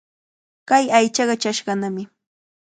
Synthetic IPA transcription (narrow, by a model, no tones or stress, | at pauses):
kajajt͡ʃɑɢɑt͡ʃaʃɢɑnamɪ